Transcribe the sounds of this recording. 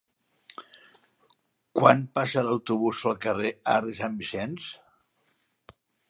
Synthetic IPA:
kwanpasələwt̪uβuspəlˠkərea̰risambisɛns

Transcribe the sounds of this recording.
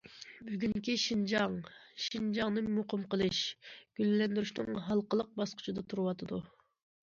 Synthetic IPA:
byɡʲyŋkʲiʃind͡ʒɑŋʃind͡ʒɑŋnɨmuqɨmqəlˠɨʃɡ̥ʲyllːɛnd̪yɾyʃnɨ̰ŋɦɑlˠqəlˠəq̚bɑsqʰʊ̥t͡ʃʰid̪ɑt̪ʰuɾɨwɑt̪ʰɨd̪u

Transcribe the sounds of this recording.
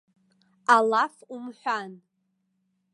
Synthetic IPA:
alafumħʷᶣan

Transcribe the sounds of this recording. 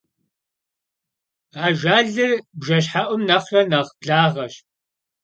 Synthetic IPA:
aːʒaːɮɨrbʒɐɕ̬ħaʔʷʊmnɐχrɐnɐʁbɮaːʁɐɕ

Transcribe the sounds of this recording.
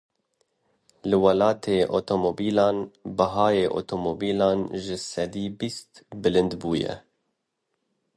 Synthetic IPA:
lɨwɑlɑːt̪ʰeːʔo̰t̪ʰomobiːlɑːnbɐɦɑːjeːʔo̰t̪ʰomobiːlɑːnʒɪsɛd̪iːbist̪bɨlɨnd̪buːjɛ̰

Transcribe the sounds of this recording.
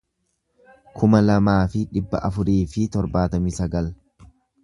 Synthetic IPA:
kʰʊmɐlɐmaːfɪᶑɪbːɐ̰ʔɐfʊɾiːfɪt̪ɔɾbaːt̪ɐmɪsɐɡɐl

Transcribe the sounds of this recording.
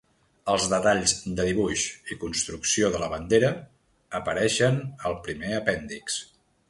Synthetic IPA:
əlˠzðət̪aʎzd̪əðiβuʃikunst̪ɾuksioðələβənd̪eɾəː | pəɾɛʃənəlˠpɾimeəpɛnd̪iks

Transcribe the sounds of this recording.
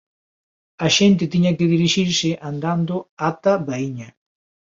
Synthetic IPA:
aʃent̪et̪iɲakeðiɾiʃiɾseʔand̪and̪oat̪aβaiɲa

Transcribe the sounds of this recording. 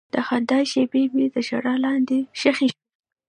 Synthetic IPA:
dd̪̥əxand̪ɑjʃebebid̪əʃaɽɑlɑnd̪eʃaxi

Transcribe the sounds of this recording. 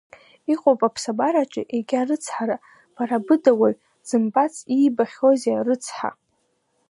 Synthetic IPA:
iqʼopʼapʰsabaɾat͡ʃʼɪʔeɡʲarɨt͡sʰħaɾa | b̥aɾabɨdawaɥ | z̥ɨmbat͡sʰʼiːbaχʲozarɨt͡sʰħa̰

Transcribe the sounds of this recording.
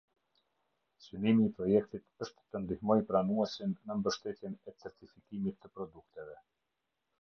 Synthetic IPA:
synimiːpɾɔjɛk̚t̪it̪əʃt̪ːənd̪ihmɔjpɾanuɛsinːəmbəʃt̪ɛt̪jɛnɛt͡sɛɾt̪ifikimit̪ːəpɾɔd̪uk̚t̪ɛvɛ

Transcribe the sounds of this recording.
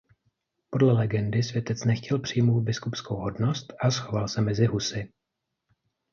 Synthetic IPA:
po̞dlɛlɛɡɛndɪsvjɛt̪ɛt͡snɛxcɛlpr̝̥ijmowt̪̚bɪskupskowɦo̞dno̞st̪ʔasxo̞valsɛmɛzɪɦusɪ

